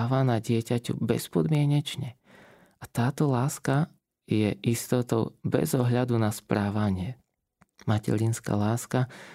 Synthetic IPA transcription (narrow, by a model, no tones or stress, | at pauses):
ʋanaɟɪɛcacṵbɛ̰spɔd̪mɪɛɲɛt͡ʃɲɛ | at̪aːt̪ɔlaːska | jɛʔist̪ɔt̪ɔʊbɛ̰zɔɦʎad̪unaspɾaːʋaɲɪɛ | macɛ̰ɾinska̰laːska